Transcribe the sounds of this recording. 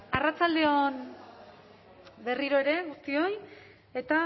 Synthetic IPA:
arat͡sald̪e̞o̞n | be̞riɾo̞e̞ɾe̞ɣust̪io̞j | e̞t̪a

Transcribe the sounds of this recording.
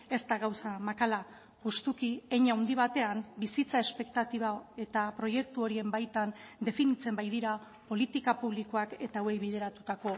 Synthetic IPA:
e̞st̪aɣawsamakala | pust̪ukieɲawnd̪iβ̞at̪e̞ambisit͡sae̞spe̞k̚t̪at̪iβ̞ae̞t̪apɾo̞je̞k̚t̪uo̞ɾie̞mbajt̪and̪e̞finit͡se̞mbajðiɾa | po̞lit̪ikapuβ̞liko̞ake̞t̪awejβiðe̞ɾat̪ut̪ako̞

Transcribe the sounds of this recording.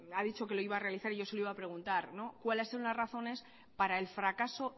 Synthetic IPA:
aðit͡ʃo̞ke̞lo̞iβaːre̞aliθaɾiʝo̞se̞loiβapɾe̞ɣ̞unt̪aɾno̞kwalaseɾunasraθo̞ne̞s | paɾae̞lfɾakaso̞

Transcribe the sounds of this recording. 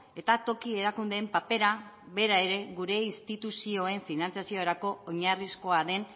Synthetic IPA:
e̞t̪at̪o̞kie̞ɾakund̪eːmpape̞ɾa | βe̞ɾae̞ɾe̞ɣuɾe̞inst̪it̪usio̞e̞ɱfinant͡sijasio̞ɾako̞ːɲarisko̞aðe̞n

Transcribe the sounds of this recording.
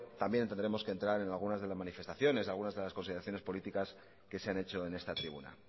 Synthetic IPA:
t̪ambjenent̪eneɾe̞mo̞skent̪ɾaɾe̞nalɣ̞unazðe̞lazmanife̞st̪aθjo̞ne̞salɣunazðe̞laskonsiðeɾaθjo̞ne̞spo̞lit̪ikas | ke̞seane̞t͡ʃo̞e̞ne̞st̪at̪ɾiβ̞ṵna̰

